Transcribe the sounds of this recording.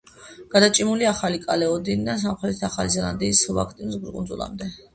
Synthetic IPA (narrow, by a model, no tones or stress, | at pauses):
ɡ̥ad̪at͡ʃʼimuliaχalikʼalɛɔd̪inid̪ans̬amχɾɛt̪ʰit̪ʰaχalizɛla̰nd̪iːsva̰kʰt̪ʼimsɡɾkʼund̪zṵlˠa̰md̪ɛ